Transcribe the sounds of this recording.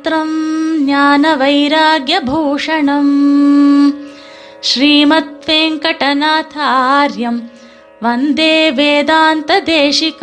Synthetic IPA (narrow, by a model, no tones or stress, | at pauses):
t̪ɾɐmnjaːnɐʋɐjɾaːɡjɐbʱuːʂɐɳɐm | ʃɾiːmɐt̪ʋeːŋkɐʈɐnaːt̪ʰɐɾjɐm | ʋɐnd̪eːʋeːd̪aːnt̪ɐd̪eːʃik